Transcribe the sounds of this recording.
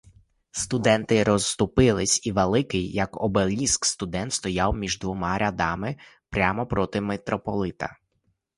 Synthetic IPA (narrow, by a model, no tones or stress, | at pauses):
st̪ʊd̪ɛnt̪ɪɾɔst̪ʊpɪlˠɪsʲiʋelˠɪkɪjːɐkɔbelʲiskst̪ʊd̪ɛnt̪st̪ɔjɑwmʲiʒd̪ʋɔmɑɾʲʔɐd̪ɑmɪpɾʲamɔpɾɔt̪ɪmet̪ɾɔpɔlˠɪt̪ɐ̰